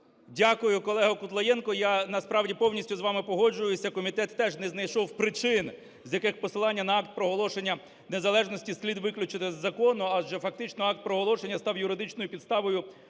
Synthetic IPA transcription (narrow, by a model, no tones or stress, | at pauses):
dʲakʊjʊkɔlˠɛɦɔkʊt̪lˠɐjɛnkɔjanɐspɾɑwdʲipɔwnʲisʲtʲʊzʋɑmɪpɔɦɔd͡ʒʊjʊsʲɐkɔmʲit̪ɛt̪ːɛʒnɛznɐjʃɔwpɾɪt͡ʃɪn | zʲjɐkɪxpɔsɪlˠɑnʲːɐnɐɑk̚t̪̚pɾɔɦɔlˠɔʃenʲːɐ | nezɐlˠɛʒnɔsʲtʲisʲlʲid̪ʋɪklʲʊt͡ʃɪt̪ɪzːɐkɔnʊɐʒd͡ʒɛfɐk̚t̪ɪt͡ʃnɔɑk̚t̪̚pɾɔɦɔlˠɔʃenʲːɐst̪ɑwjʊɾɪd̪ɪt͡ʃnɔjʊpʲid̪st̪ɑʋɔjʊ